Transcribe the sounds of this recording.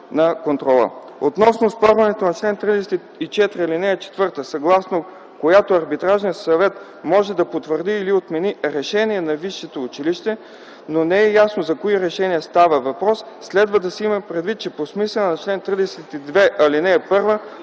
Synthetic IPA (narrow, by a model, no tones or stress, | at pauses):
nɐkont̪ɾɔlˠə̰ | ot̪nɔsnospɔɾvɐnɛt̪onɐt͡ʃlɛnt̪ɾid̪ɛsɛt̪i | it͡ʃɛt̪ɾiɐlinɛɛt͡ʃɛ̥t̪vɤɾt̪əsɐɡlˠasno | kojat̪oɐɾbit̪ɾaʒniəsɐvɛt̪ | mɔʒɛd̪ɐpot̪vəɾd̪iːliot̪mɛniɾɛʃɛniɛnɐviʃːɛt̪oːt͡ʃiliʃt̪ɛ | nonɛɛjasnozɐkoiɾɛʃɛniɛst̪avəvɐpɾɔsːlɛd̪vəd̪ɐsɛimɐpɾɛd̪vit̪̚t͡ʃɛposmislɛnɛnɐt͡ʃlɛnt̪ɾid̪ɛsɛt̪id̪vɛʔɐlinɛːpɤɾvə